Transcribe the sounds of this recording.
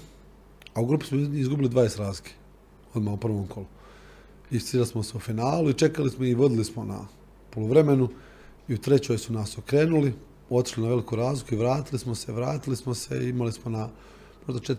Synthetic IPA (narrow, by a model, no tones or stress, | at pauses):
auɡɾuːpi̥smoizɡubilid̪ʋaːesɾaːzkʰe̥ | od̪maupr̩ʋo̞ːmkʰo̞lu | ist̪ialismo̞seufinaːluit͡ʃe̞kalismoiʋo̞d̪ilismo̞na̰ | poloʋɾe̞me̞nu | iut̪ɾe̞t͡ɕoːjsunasokɾe̞ːnuli | o̞t̪i̥ʃlinaʋe̞likuːɾaːzlikuiʋɾaːt̪ilismo̞seʋɾa̰ːt̪ilismose̞̰ḭimalismo̞na | mo̞ʒd̪at͡ʃet̪